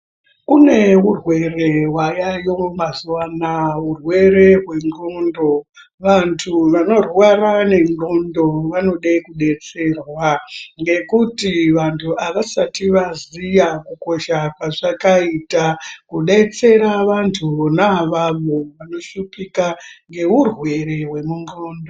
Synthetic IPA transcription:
kune̞urwe̞re̞wajajo̞mazuwanaurwe̞ɾe̞ɦwe̞ŋɡondo̞ | ʋantʰuʋano̞rwarane̞ŋɡondo̞ʋano̞ɗekuɗe̞t͡se̞ːrwaŋɡe̞kutiʋantʰuʔaʋasatiʋazijakuko̞ʃakwaʐakaitakuɗe̞t͡se̞ɾaʋantʰunaʋaʋoʋano̞ʃupikaŋɡe̞urwe̞ɾe̞ɦwe̞muŋɡoːndo̞

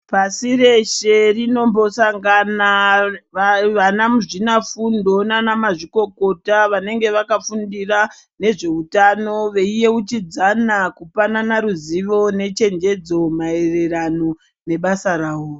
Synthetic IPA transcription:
pasire̞ʃe̞rino̞mbo̞saŋɡana | ʋanamuʐinafundo̞nanamaʐiko̞ko̞taʋane̞ŋɡe̞ʋakafundira | ne̞ʐe̞utano̞ʋe̞ije̞ut͡ʃid͡zanakupananaɾuziʋo̞ne̞t͡ʃe̞nd͡ʒe̞d͡zo̞mae̞re̞rano̞ | ne̞ɓasaraːwoː

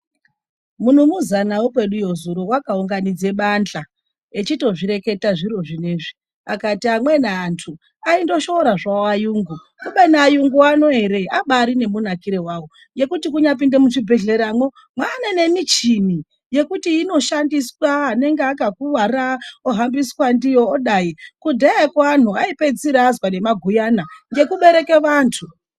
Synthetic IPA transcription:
mun̤umuzanawopwe̞ɗujo̞zuɾowakauŋɡanid͡ze̞ɓand͡ɮa | et͡ʃito̞ʐiɾe̞ke̞taʐiɾo̞ʐineːʐi | akatiamwe̞naːntʰu | aindo̞ʃo̞ɾaʐaoajuːŋɡu | kuɓanaːjuŋɡuano̞e̞ɾe̞aɓaɾine̞munakiɾe̞waːwo | je̞kutikuɲap̬indemuʂibʱe̞ɮe̞ɾamwo | mwanene̞mit͡ʃini | je̞kutiːno̞ʃandiswaːne̞ŋɡeakakuʋaraoɦambiswandijo̞ːɗajikudʱeekan̤uaipe̞d͡ziɾazwane̞maɡʱujanaŋɡe̞kuɓe̞ɾe̞ke̞ʋaːntʰu

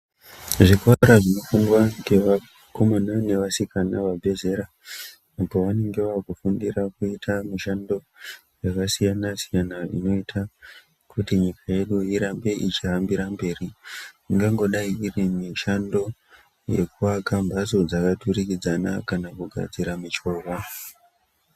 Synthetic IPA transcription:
ʐikaɾaʐino̞fundwaŋɡe̞ʋa | ko̞monane̞ʋasikanaʋabʱe̞ze̞ɾa | apoʋane̞ŋɡe̞ʋaːkufundirakuitʰamiʃando̞ | jakasijanasijanaḭno̞itʰa | kutiɲikaje̞ɗuiɾambe̞ʔit͡ʃirambiɾambe̞ːri | ŋɡaŋɡo̞ɗaiirimiʃando̞ | je̞̰kuʋakambaso̞d͡zakaturikid͡zanakanakuɡʱa̰d͡ziɾamit͡ʃo̞ːʋa

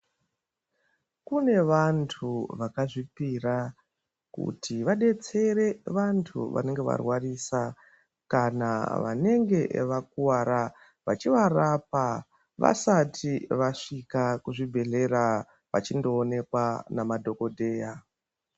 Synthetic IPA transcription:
kune̞ʋantʰuʋakaʐipira | kṵtʰiʋaɗe̞t͡se̞ɾe̞ʋantʰṵʋa̰ne̞ŋɡe̞ʋa̰rwarisa | kana̰ʋa̰ne̞ŋɡe̞ʋak̚uwaɾa | ʋat͡ʃiʋarap̚a | ʋa̰satʰiʋaʂikakuʐibʱe̞ɮe̞ɾa | ʋat͡ʃindo̞ːne̞kwanamadʱo̞ko̞dʱe̞ːja

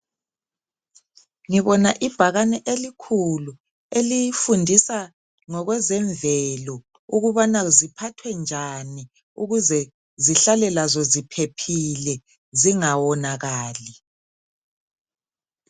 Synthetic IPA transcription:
ŋiβɔnaʔib̥ʱaɣanɛʔelikʰulu | elijifundʱisa | ŋɔɣwɛzɛɱvɛlɔ | uɣuβanazipʰatʰwɛnd͡ʒʱani | uɣuzɛ | ziɬalɛlazɔzipʰepʰilɛ | ziŋawɔnaɣaːli

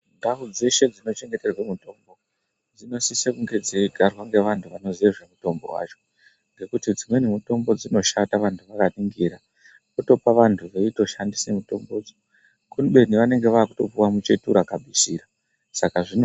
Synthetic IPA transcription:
ndaʋud͡ze̞ʃe̞d͡zino̞t͡ʃe̞ŋɡe̞te̞rwemuto̞mbo̞ | d͡zino̞sisekuŋɡe̞d͡zeiɡʱarwaŋɡe̞ʋantʰuʋano̞zieʐe̞muto̞mbo̞̰wa̰t͡ʃo̥ | ŋɡe̞kutid͡zimwe̞nemuto̞mbo̞d͡zino̞ʃataʋantʰuʋakaniŋɡiɾa | kuto̞paʋantʰuʋe̞ito̞ʃandisemuto̞mbo̞ːd͡zo | kuniɓe̞niʋane̞ŋɡe̞ʋaːkuto̞puwamut͡ʃe̞tuɾakabʱisiːra | sakaʐin

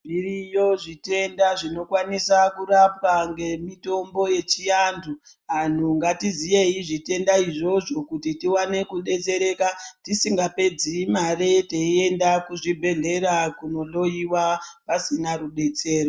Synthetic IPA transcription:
birijo̞ʐite̞ndaʐino̞kwanisakuɾap̚aŋɡe̞mito̞mbo̞je̞t͡ʃijandʰu | an̤uŋɡatizije̞iʐite̞ndaiʐo̞ʐo̞kutitiwane̞kuɗe̞t͡se̞ɾe̞ːkatisiŋɡape̞d͡zimare̞teie̞ndakuʐibʱe̞ɮe̞ɾakuno̞lo̞iwapasinaɾuɗe̞t͡se̞ːro

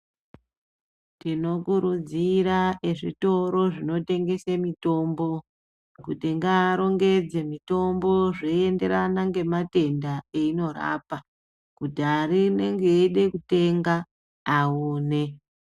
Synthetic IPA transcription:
tino̞kuɾud͡ziɾaeʐito̞ɾo̞ʐino̞te̞ŋɡe̞semito̞ːmbo̞ | kutiŋɡaːɾo̞ŋɡe̞d͡zemito̞mbo̞ʐeende̞ɾanaŋɡe̞mate̞ndaeino̞ra̰ːpa | kutaɾine̞ŋɡeeɗe̞kute̞ŋɡaː | uːne̞

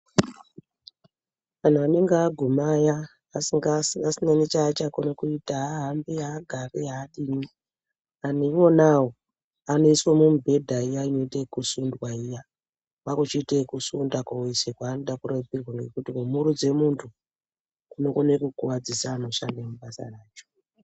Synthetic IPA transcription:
ʋan̤uane̞ŋɡaːɡʱumajaː | siŋɡaasinanit͡ʃaːt͡ʃakonokuitaɦaɦambeaɡʱareaɗini | aneiwo̞nawo | ano̞iswomumbʱe̞dʱaijaino̞itekusundwaija | ʋakut͡ʃitekusundakwaisekwaːndakuɾebirwaŋɡekutimumuɾud͡ze̞muntʰu | unokonekukuwad͡zisaːno̞ʃandemuɓasa̰raːt͡ʃo̥

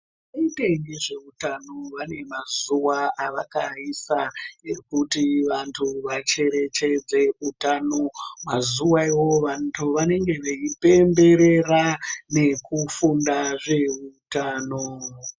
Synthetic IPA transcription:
iteŋɡiʐeutano̞ʋane̞mazuwaaʋakaisaekutiʋantʰuʋat͡ʃe̞ɾe̞t͡ʃe̞d͡ze̞utano̞mazuwaiwo̞ʋantʰuʋane̞ŋɡe̞ʋeipe̞mbe̞ɾe̞rane̞kufundaʐe̞utaːno

